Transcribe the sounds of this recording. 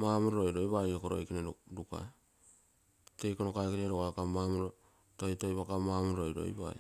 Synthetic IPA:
mamuɾoɾojɾojβajokoɾo̰jkinaɾɾuka̰ | tejkonokakiɾeɾoɡakamamuɾo | tojtojβakamamuɾɾojɾo̰ḭba̰j

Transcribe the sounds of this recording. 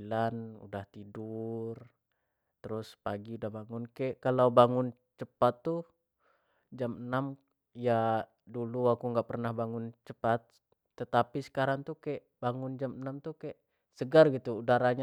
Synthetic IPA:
lanṵdaht̪idur | t̪əɾʊspaɡiudahbaŋʊnkɛʔkalawbaŋʊn | t͡ʃəpat̪ːu | d͡ʒamənam | ja | duluakuŋɡaʔpərnahbaŋʊnt͡ʃəpat̪ː | ət̪apisə̥kaɾaŋt̪ukɛʔbaŋʊnd͡ʒamənamt̪ukɛʔ | səɡarɡit̪uːdaɾaɲa

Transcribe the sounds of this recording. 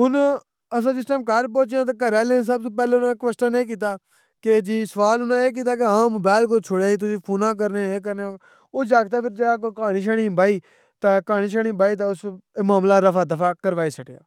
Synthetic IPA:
ɦʊn | əsãːsɪsʈəmkaɾp̬õːt͡ʃjãːt̪̬aːkəɾeːlẽs̬aːb̚t̪õːp̬ɛːleːʊnãːkʋəsʈənẽːk̬iːt̪aː | ked͡ʒiːsəʋaːlʊnãːeːk̬iːt̪aːkeãːmoːbaːɪlk̬oːt͡ʃʰoːɽaːiːt̪̬ʊsĩːpʰoːnãːk̬əɾneeːk̬əɾneã | oːd͡ʒaːɡt̪aːpʰɪɾd͡ʒəaːkoːkaːniːʃ̬əːɽĩːbʱaːiː | t̪aːkaːnĩːʃəːɽĩːbaːiːt̪̬aːʊsmaːmlaːɾəfaːd̪əfʰaːkəɾʋaːiːsəʈeja̰ː

